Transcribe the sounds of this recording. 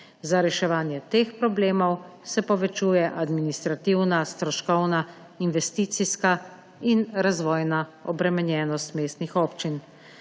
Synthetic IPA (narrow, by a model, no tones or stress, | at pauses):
zaɾɛʃɛʋaːnjɛt̪eːxpɾɔbleːmɔwsɛpɔʋɛt͡ʃuːjɛʔad̪minist̪ɾat̪iwnast̪ɾɔʃkɔwna | inʋɛst̪iːt̪siska | inɾazʋɔːjnaɔbɾɛmɛnjɛːnɔst̪meːst̪nixoːpt͡ʃin